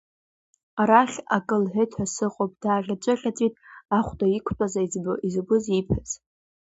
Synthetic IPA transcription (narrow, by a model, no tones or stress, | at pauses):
aɾaχʲakʼɨlħʷetʰħasɨqʼopʼd̥aːʁʲat͡ʃʷʼɨχʲʼat͡sʼitʼaχʷtʼaikʷʰt͡pʷʼazaizbɨizɡʷʊzipʰɨz